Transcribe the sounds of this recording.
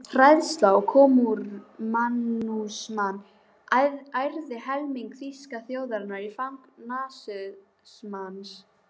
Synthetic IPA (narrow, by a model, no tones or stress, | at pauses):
fɾajðst̪lawkʰɔːmuɾmanːusmanː | ajɾðɪhɛlmiŋkθiskaθjoːwðaɾnaɾifawŋknaːsʏ | smans